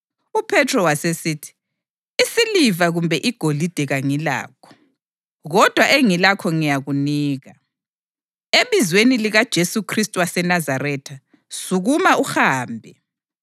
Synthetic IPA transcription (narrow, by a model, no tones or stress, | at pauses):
upʰɛtʰrɔwasesitʰi̥ | isilivaɣumbʱɛʔiɡ̥ʱolid̥ʱɛɣaŋila̰ːkʰɔ̥ | ɣɔd̥ʱwaʔeŋilakʰɔŋijaɣuniːɣa | eβizweniliɣad̥ʒ̥ʱesukʰristʼuwasɛnazaɾɛtʰa | suɣumauxaːmbʱɛ